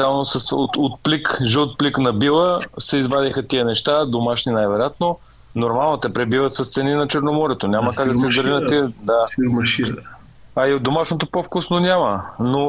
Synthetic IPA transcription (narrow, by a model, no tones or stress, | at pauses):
alˠnosəsot̪ot̪̚plikʒəot̪̚pliknɐbilˠəsɛizbad̪ixət̪iənɛʃt̪ad̪omaʃninajvɛɾjat̪no | noɾmalˠnot̪ɛpɾɛbivət̪sɐst̪sɛninɐt͡ʃɛɾnomɔɾɛt̪onʲamɐkakd̪ɐsɛizd̪ɐɾinɐt̪id̪aʃi | aiod̪omaʃnot̪opofkusnonʲaməno